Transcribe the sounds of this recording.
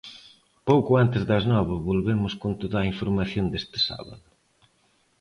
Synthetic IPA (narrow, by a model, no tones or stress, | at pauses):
powkʊant̪ɪzðɐznɔβɐβolβemʊskont̪oðaiɱfoɾmaθjond̪est̪ɪ̥sa̰βɐ̰ðʊ